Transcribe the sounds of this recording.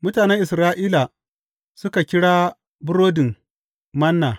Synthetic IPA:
mʊ˦taː˨nɛ˦ŋʔɪ˨sɾaː˦ʔiː˦la˨ | sʊ˦ka˨kʲɪ˦ɽaː˦ | bʊ˦ɽoː˦dɪ˨ŋ | mɐ˦nːaː˨

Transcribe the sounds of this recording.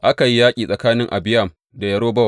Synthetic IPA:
ʔa˦ka˨ji˦jaː˦kʲʼiː˨sʼɐ˨kaː˦nɪ˦ŋʔa̰˨bɪ˦ja˦˨m | da˨jɐ˦ɽoː˦bɐ˦˨

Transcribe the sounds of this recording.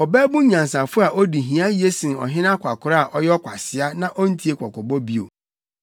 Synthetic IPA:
ɔ˨bɛː˦bũ˦ɲã˨n˨sa˨fʊ˦a˨ʔɔ˦di˨ɦĩ˨˦ã˦ji˦e˦sĩ˨nɔ̰˨ɦɪ̃˦nã˦kʰʷa˨kʰʊ˨ɾa˦a˨ʔɔ˦jɛ˦ɔ˦kʰʷa˨sɪ˨a˦nã˦ʔɔ˦n̩˦tʰi˦e˦kʷʰɔ˨kɔ˨bɔ˦bi˦o̰˨

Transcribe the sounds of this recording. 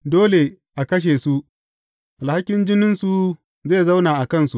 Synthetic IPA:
doː˦le˨ | ʔa˨kɐ˦ʃ̬eː˨su˦ | ʔa˨lha˦kʲɪ˦nd͡ʒɪ˦nɪ˦nsu˨ | zeː˦˨za˦wnaː˨ʔa˨kɐ˦˨nsu˨

